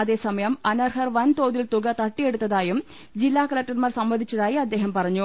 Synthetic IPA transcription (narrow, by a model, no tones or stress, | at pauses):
ɐðe̞ːsɐmɐjɐmɐnɐrɦɐrʋɐnt̪oːðilt̪uɡɐt̪ɐʈːije̞ɽut̪ːɐðaːjum | d͡ʑilːaːkɐlɐk̚ʈɐrmaːrsɐmbɐnd̪ʱit͡ɕːɐðaːjiɐd̪ːe̞ːɦɐmpɐrɐɲːu